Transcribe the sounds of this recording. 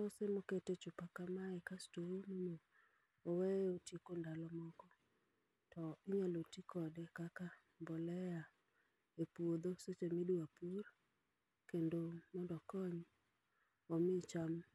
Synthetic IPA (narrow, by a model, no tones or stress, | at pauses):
osemoketet͡ʃupakamaɛkastounono | owɛotikondalɔmɔkɔ | tʰɔɪɲɔlotikʰɔdɛkaka | mbɔlɛja | epwod̪oset͡ʃemiduapur | kendomɔndɔkɔɲ | ɔmɪt͡ʃam